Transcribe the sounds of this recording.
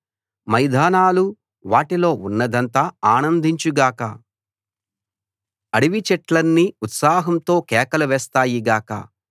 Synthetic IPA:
mɐjd̪ʱaːnaːlu | ʋaːʈilo̞ːunːɐd̪ɐnt̪aːaːnɐnd̪ʱiɲt͡ʃuɡaːkɐ | ɐɽiʋit͡ʃɛʈlɐnːiut̪saːɦɐmt̪o̞ːkɛːkɐlɐʋɛːst̪aːjiɡaːkɐ̰

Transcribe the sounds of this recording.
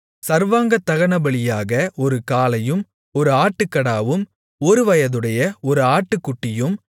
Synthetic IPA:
sɐɾʋaːŋɡɐt̪ːɐɣɐɳɐbɐɭɪjaːɣɐʔɔɾɯkaːlɐjɯm | ɔɾɯaːʈːɯkːɐɽaːʋɯm | ɔɾɯʋɐjɐðɯɽɐjɐɔɾɯaːʈːɯkːʊʈːɪjɯm

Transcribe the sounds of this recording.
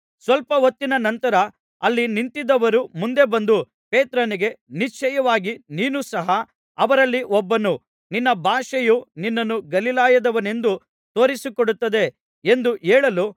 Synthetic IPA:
sʋɐlpɐʋot̪ːinɐnɐnt̪ɐɾɐ | ɐlːinint̪id̪ɐʋɐɾumund̪e̞bɐnd̪u | peːt̪ɾɐniɡe̞nit͡ʃʰɐjɐʋaːɡiniːnusɐɦɐ | ɐʋɐɾɐlːiʔɔbːɐnu | ninːɐbʱaːʂɐjuninːɐnːuɡɐlilaːjɐd̪ɐʋɐne̞nd̪u | t̪o̞ːɾisikoɽut̪ːɐd̪e̞ | end̪ueːɭɐlu

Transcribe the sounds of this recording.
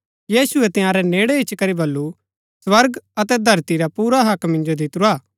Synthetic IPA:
jiːsʊɛt̪ɪjaːɾɛneːɽɛɪt͡ʃkɐɾibɐlːu | swɐɾɡɐt̪ɛd̪ʱɐɾt̪iɾapuːɾaɦɐkmɪ̃nd͡ʒod̪ɪt̪ʊɾaː

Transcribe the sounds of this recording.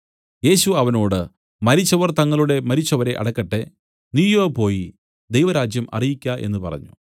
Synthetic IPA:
e̞ːɕuɐʋɐno̞ːɽɨ | mɐɾit͡ɕːɐʋɐrt̪ɐŋːɐɭuɽe̞mɐɾit͡ɕːɐʋɐɾe̞ʔɐ̰ɽɐkːɐʈːe̞ | nijopo̞ːji | d̪ejʋɐɾaːd͡ʑjɐmʔɐ̰rijikʲːaʔe̞̰nːɨpɐ̰rɐ̰ɲːṵ

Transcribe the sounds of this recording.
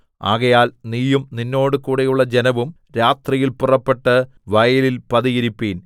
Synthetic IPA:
a̰ːɣɐjaːlniːjumninːo̞ːɽɨkuːɽejuɭːɐd͡ʑenɐʋum | ɾaːt̪rijilpurɐpːe̞ʈːɐ | ʋɐjɐlilpɐðijiɾipːiːn

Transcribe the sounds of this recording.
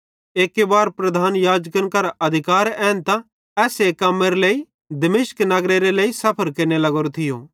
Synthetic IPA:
eːkːebaːɾpɾɐd̪ʱaːnjaːd͡ʒkənkɐɾʔɐd̪ʱɪkaːɾɛːnt̪ã | ɛːseːkːɐmːeɾeleːi | d̪ɐmeːʃknɐɡɾeɾeleːisɐpʰəɾkeːɾnelɐɡoːɾot̪ʰɪjoː

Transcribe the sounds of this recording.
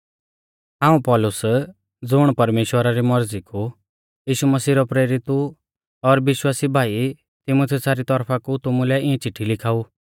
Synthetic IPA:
ɦãːũpɔlʊs | d͡zʊɽ̃pɐɾmeːʃwəɾaɾimɔɾd͡ziku | jiːʃumɐsiːɾɔpɾeːɾɪt̪u | ɔɾbɪʃwaːsibʱaːi | t̪ɪmot̪ʰiusaɾit̪ɔɾpʰakut̪ʊmũlɛɪ̃ɛ̃t͡ʃɪʈʰːilɪkʰaːu

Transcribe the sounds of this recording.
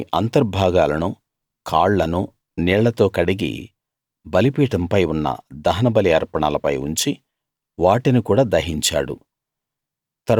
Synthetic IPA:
ʔɐnt̪ɐɾbʱaːɡaːlɐnu | kʰaːɭːɐnu | nɛːɭɐt̪o̞ːkɐɽiɡḭ | bɐlipiːʈɐmpɐjunːɐ̰d̪ɐɦɐnɐbɐliɐɾpɐɳaːlɐpɐ̰juɲt͡ʃi | ʋaːʈinikuːɽaːd̪ɐɦiɲt͡ʃa̰ːɽṵ | t̪ɐɾ

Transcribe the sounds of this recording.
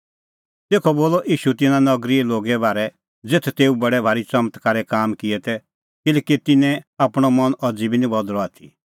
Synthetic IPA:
t̪eːkʰɔboːlɔʔiːʃut̪ɪnãnɐɡɾiɛloːɡɛbaːɾɛ | d͡zeːt̪ʰɛt̪eːubɐɽɛbʱaːɾit͡sɐmət̪kaɾɛkaːmkɪɛt̪ɛ | kɪlɛːkit̪ɪnɛ̃apɽ̃ɔmɐnʔɐd͡zibinĩbɔd̪ɾɔat̪ʰḭ

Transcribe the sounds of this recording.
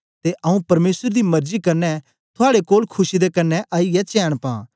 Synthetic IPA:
t̪eʔɐũpɐɾmeːsəɾd̪imɐɾzikɐɾnɛ | t̪ʰʊaːɽekoːlkʰʊsid̪ekɐnːɛʔaːijɛt͡ʃɛːɽ̃pã̰ː

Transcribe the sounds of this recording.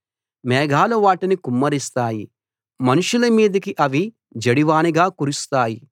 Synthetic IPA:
mɛːɡʱaːluʋaːʈinikumːɐɾist̪aːji | mɐnuʂulɐmiːd̪ɐkiʔɐʋi | d͡ʒɐɽiʋaːniɡaːkuɾust̪aːji

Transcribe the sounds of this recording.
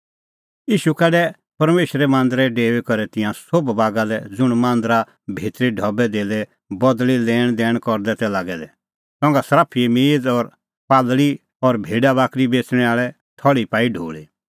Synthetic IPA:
iːʃukɛːɖɛ | pɐɾmeːʃɾɛmãːnd̪əɾɛɖeːʋekɔɾɛt̪ɪ̃jãsobbaːɡalɛd͡zʊɽ̃mãːnd̪ɾa | bʱeːt̪ɾiɖʱɔbɛd̪eːlɛ | bɔd̪lilɛːɽ̃d̪ɛːɽ̃kɔɾd̪ɛt̪ɛlaːɡɛlɛ | sɔ̃ŋɡasɾaːpʰiemeːd͡zɔɾ | paːlli | ɔɾbʱeːɖabaːkɾibeːt͡sɽ̃ɛ̃aːɭɛ | t̪ʰɔɭipaːiɖʱo̰ːɭe

